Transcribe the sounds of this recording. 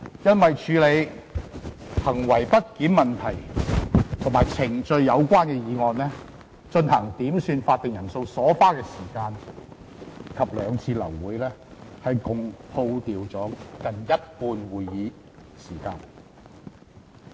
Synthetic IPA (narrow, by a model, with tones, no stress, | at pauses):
jɐ˥nwɐ˨jt͡ʃʰyː˨˧le˨˧j | hɐ˨˩ŋwɐ˨˩jpɐ˥t̚kiː˨˥nmɐ˨nt̪ʰɐ˨˩j | t̪ʰʊ˨˩maː˨˩jt͡sʰɪ˨˩ŋt͡sɵ˧ɥjɐ˨˧wkʷaː˥nkɛː˧jiː˨˧ŋɔː˨nlɛː˥ | t͡ʃɵ˧nhɐ˨˩ŋt̪iː˨˥msyː˧nfaː˧t̚t̪ːɪ˨ŋjɐ˨˩nso˧wsɔː˨˥faː˥kɛː˧siː˨˩kaː˧n | kʰɐ˨p̚lœː˨˧ŋt͡sʰiː˧lɐ̰˨˩wːuː˨˧˥jlɛː˥hɐ˨jkʊ˨ŋhʰo˧wt̪iː˨wt͡sɔː˨˥kɐ˨njɐ˥t̚puː˧nwuː˨jːiː˨˧ | siː˨˩kaː˧n